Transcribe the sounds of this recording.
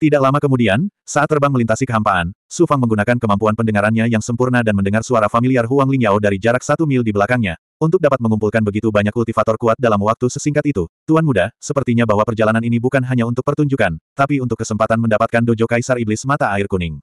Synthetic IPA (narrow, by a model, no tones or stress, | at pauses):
t̪idaklamakəmudiansaat̪ːərbaŋməlint̪asikəɦampaansufaŋməŋɡunakankəmampuanpəndəŋaɾanɲajaŋsəmpurnadanməndəŋarsuaɾafamiliarɦuaŋliŋjawdaɾid͡ʒaɾak̚sat̪umɪldibəlakaŋɲa | unt̪ʊk̚dapat̪̚məŋumpulkanbəɡit̪ubaɲakult̪ifat̪ɔrkuat̪̚dalamwak̚t̪usəsiŋkat̪it̪ut̪uanmudahsəpərt̪iɲabaɦwapərd͡ʒalananinibukanɦaɲaunt̪ʊk̚pərt̪uɲd͡ʒukant̪apiunt̪ʊkːəsəmpat̪anməndapat̪̚kandod͡ʒokaisariblɪsmat̪aːɪrkunɪŋ